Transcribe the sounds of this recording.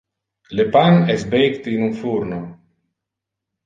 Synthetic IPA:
lepanɛsbejkt̪inunfuɾno

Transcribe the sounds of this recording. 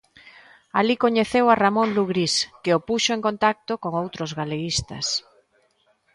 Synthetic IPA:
alikoɲeθewaramõnluɣɾiskeopuʃoeŋkont̪ak̚t̪okoŋowt̪ɾozɣaleɣist̪ɐ̰s

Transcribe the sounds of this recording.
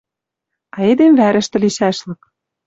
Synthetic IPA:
ɑed̪emvæɾɘ̆ʃt̪ɘ̆liʃæʃlɤ̆k̚

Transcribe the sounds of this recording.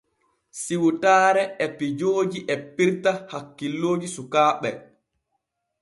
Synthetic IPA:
siwutaːɾɛɛpid͡ʒoːd͡ʒiʔɛpːiɾtahakːilːoːd͡ʒisukaːɓɛ

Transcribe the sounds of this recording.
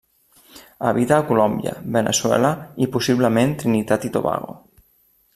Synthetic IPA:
aβit̪aːkulɔmbjə̰bənəswɛ̰ləipusiβləment̪ɾinit̪at̪it̪o̰βa̰ɣo̰

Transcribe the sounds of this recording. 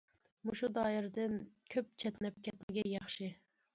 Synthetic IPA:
muʃud̪ɑːɪɾd̪ɪnkʲʰøp̚t͡ʃʰɛt̪nɛp̚kʲɛt̪nɪɡʲɛjɑχʃɨ

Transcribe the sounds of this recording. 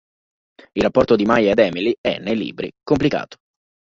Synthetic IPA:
ilrapːɔrt̪od̪imajaed̪ɛːmiliɛ̰nːejlḭːbɾḭkomplika̰ːt̪o̥

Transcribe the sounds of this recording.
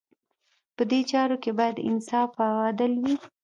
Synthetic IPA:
pəd̪et͡ʃɑɾokebɑjad̪ɪ̰nsɑfawɑd̪əlwi

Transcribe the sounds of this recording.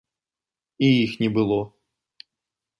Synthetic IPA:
iixnʲɛbɨlˠɔ

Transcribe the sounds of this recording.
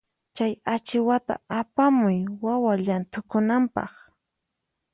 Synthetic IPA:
t͡ʃajat͡ʃɪwat̪a̰apamʊjwawaʎant̪ʊkʊnampɑ̰χ

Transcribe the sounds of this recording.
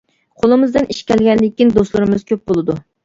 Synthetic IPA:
qʰolˠɨmɨzd̪ɨnʔiʃkʲɛlɡʲɛnlɪkʲːind̪oslˠɨɾɪmɨz̥kʲøp̚bolˠɨd̪u

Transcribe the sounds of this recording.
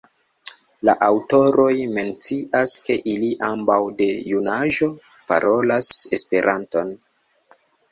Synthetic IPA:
la̰ʔawto̞ɾʔo̞jme̞nt͡siʔaske̞ʔiliʔambawde̞junaʒo̞ | pa̰ɾʔo̞lase̞spe̞ɾʔanto̞n

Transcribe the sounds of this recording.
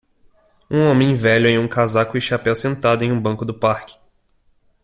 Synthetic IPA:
ũõmẽj̃vɛʎʊẽj̃ũkazakʊɪʃapɛwsẽnt̪ad̪ʊẽj̃ũbɐ̃kʊd̪ʊpaɾkɪ̥

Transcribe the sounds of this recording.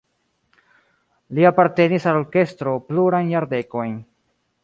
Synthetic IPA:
liapaɾte̞nisalo̞ɾke̞stɾo̞pluɾajnjaɾde̞ko̞jn

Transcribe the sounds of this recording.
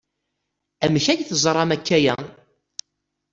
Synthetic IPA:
æmçæʝθəzˤɾˤɑmækːæjæ

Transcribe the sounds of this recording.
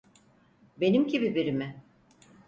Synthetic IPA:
be̞nimcʰibibiɾimɪ

